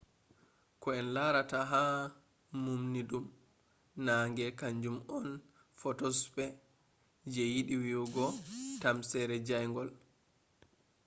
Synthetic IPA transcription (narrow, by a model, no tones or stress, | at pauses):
kɔɛnlaɾataɦa | mumniɗum | naŋɡɛkaɲd͡ʒumɔn | fɔtɔspɛ | d͡ʒɛjiɗiwiwɡɔtamsɛɾɛd͡ʒajŋɡɔl